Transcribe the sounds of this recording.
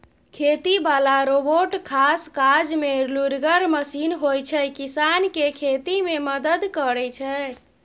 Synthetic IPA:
kʰet̪ibalaɾoboʈkʰaskad͡ʒmeluɾɡəɾməsinɦojt͡ʃʰɛkisankekʰet̪imeməd̪əd̪kəɾɛt͡ʃʰɛ

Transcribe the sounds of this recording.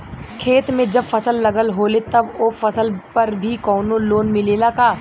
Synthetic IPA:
kʰeːt̪mẽd͡ʒɐbfɐsəlːɐɡəlɦoːlet̪ɐboːfɐsəlpɐɾbʱikɔːnoloːnmɪleːlakaː

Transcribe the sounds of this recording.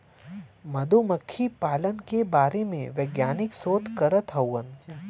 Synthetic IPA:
məd̪ʱuməkʰːipaːlənkebaːɾemḛ̃ʋeɡjaːnɪksoːt̪kəɾət̪ɦɐwən

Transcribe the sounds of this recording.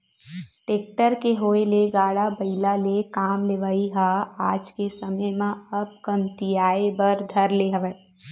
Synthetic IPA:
ʈeːk̚ʈəɾkeɦoːeleɡaːɽabɐɪlalekaːmleʋaːiɦaːaːd͡ʒkesɐməjmãɐb̚kɐ̃mt̪ijaːebɐɾd̪ʱɐɾleɦɐʋə

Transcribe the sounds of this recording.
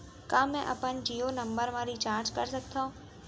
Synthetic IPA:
kãːmɛ̃ʔɐ̰pənd͡ʑiːoːnɐ̃mbəɾmãːɾit͡ɕaːɾt͡ʃkɐɾsɐkʰt̪ʰã

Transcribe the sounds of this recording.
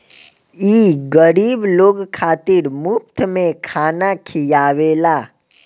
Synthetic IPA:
iɡəɾibloɡkʰat̪iɾmʊp̚t̪ʰmẽkʰanakʰijaʋela

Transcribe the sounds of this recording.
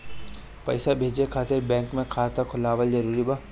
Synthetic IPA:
pɐ̰ːsabʱeːd͡ʒekʰaːt̪ɪɾbɛ̃ːŋkmẽkʰaːt̪akʰʊlaːʋəld͡ʒɐɾuːɾiba

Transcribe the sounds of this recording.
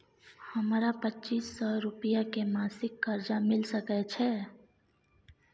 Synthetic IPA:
həmɾapətːt͡ʃiːsːɔɾʊpijakemaːsɪkːəɾd͡ʒamɪlsəkɛt͡ʃʰɛ

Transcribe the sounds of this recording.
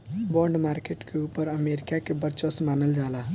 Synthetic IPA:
bɔɾɖmaɾkeʈkʰeupəɾəmeɾikakebəɾt͡ʃəsmanəld͡ʒala

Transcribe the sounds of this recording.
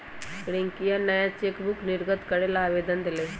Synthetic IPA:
kɽẽŋkijanːɐjãt͡ʃeːkbʊknɪɾɡət̪kəɾelaːʋeːd̪ənd̪eleː

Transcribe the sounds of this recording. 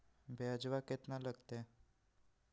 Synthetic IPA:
bʱeəd͡ʒʋaket̪naləɡt̪e

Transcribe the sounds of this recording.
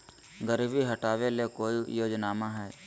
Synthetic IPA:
ɡəɾʋiɦəʈaːʋelekoːijoːd͡ʒnaːmãɦɛː

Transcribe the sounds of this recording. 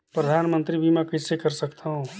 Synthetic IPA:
pɾəd̪ʱaːnmə̃nt̪ɾibʱimɛ̃kəsekəɾsəkt̪aɦũ

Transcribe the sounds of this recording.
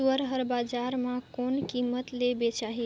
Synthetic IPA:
əɾɦəɾbad͡ʒaɾmãkonkimət̪lebet͡ʃaɦi

